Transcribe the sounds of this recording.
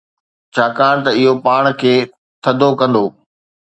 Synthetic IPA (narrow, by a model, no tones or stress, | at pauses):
t͡ɕʰaːkaːɽ̃t̪ɐɪɦopaːɽ̃kʰeː | t̪ʰɐd̪ʱokɐ̃nd̪oː